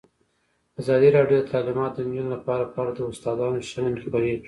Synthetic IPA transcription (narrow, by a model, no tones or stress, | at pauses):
azɑd̪iɾɑɖjod̪ət̪ʰalɪmɑt̪d̪ənd͡ʒunolapɑɾapɑɾad̪əʊst̪ɑd̪ɑnoʃannxbaɾi